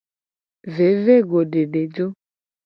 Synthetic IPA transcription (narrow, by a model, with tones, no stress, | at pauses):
ve˨˦ve˦ɡo˨ɖe˨ɖe˨d͡ʒo˦